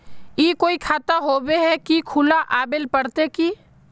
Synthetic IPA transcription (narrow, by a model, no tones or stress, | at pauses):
jiːkoːikʰaːt̪aɦoːbeɦɛkikʰʊlaʔaːbelpəɽt̪eki